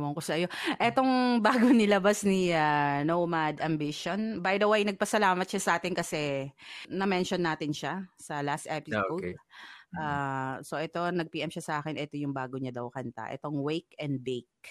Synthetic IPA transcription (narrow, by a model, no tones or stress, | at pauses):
moŋkosɐʔɐjo̞ʔɛt̪o̞ŋbaːɡonɪlɐbasnianowmad̪ɐmbiʃonbajd̪ɐwejnɐɡ̚pɐsɐlaːmɐt̪̚ʃasɐʔaːt̪ɪnkɐsɛ | nɐmɛnʃonːaːt̪ɪnʃasɐlast̪ʔɛpɪsowd̪ʔaso̞ʔɛt̪o̞nɐɡ̚piːʔɛmʃasɐʔaːkɛnʔɛt̪o̞jʊŋbaːɡoɲad̪ɐwkɐnt̪a̰ʔɛ̰t̪o̞ŋwejkɛnd̪̚bejk̚